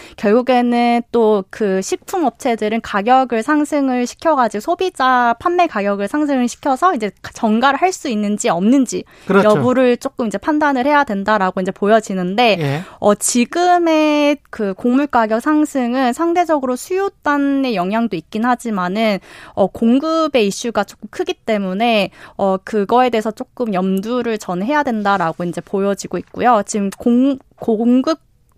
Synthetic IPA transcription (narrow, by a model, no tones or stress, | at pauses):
kjʌɭɡuɡe̞nɯnt͈okɯɕʰik̚pʰumʌp̚t͡ɕʰe̞dɯɾɯnkaɡjʌɡɯɭsʰaŋsʰɯŋɯɭɕʰi̥kʰjʌɡad͡ʑiɡosʰobid͡ʑapʰanme̞kaɡjʌɡɯɭsʰaŋs̬ʰɯŋɯɭɕʰi̥kʰjʌsʰʌind͡ʑe̞t͡ɕʌŋɡaɾɯɭɦaɭs͈uinːɯnd͡ʑiʌmnɯnd͡ʑi | kjʌbuɾɯɭt͡ɕ͈ok͈ɯmind͡ʑepʰandanɯɭhe̞jadwe̞ndaɾaɡoind͡ʑe̞pojʌd͡ʑinɯnde̞ʌt͡ɕiɡɯme̞kɯkoŋmuɭk͈aɡjʌk̚sʰaŋsʰɯŋɯnsʰaŋde̞d͡ʑʌɡɯɾosʰujot͈anːe̞jʌŋɦjaŋdoik̚k͈inhad͡ʑimanɯnʌkoŋɡɯbe̞iɕ͈uɡat͡ɕ͈ok͈ɯmkʰɯɡit͈e̞mune̞ʌkɯɡʌe̞de̞ɦesʰʌt͡ɕ͈ok͈ɯmjʌmduɾɯɭt͡ɕʌnɦe̞jadwe̞ndaɾaɡoind͡ʑe̞pojʌd͡ʑiɡoik̚k͈ujot͡ɕimkoŋ | koŋɡɯ